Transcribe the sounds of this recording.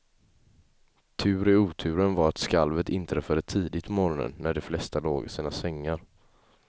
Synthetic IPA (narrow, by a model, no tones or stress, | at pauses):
t̪ʰʉ̟ːɾɪuːt̪ʰʉ̟ːɾənvaɾat̪skalvət̪ɪnt̪əɾɛfœɖət̪ʰiːd̪ɪt̪mɔɾɔnə̰nːæɖɛflɛst̪aloːɡsiːnasɛŋːaɾ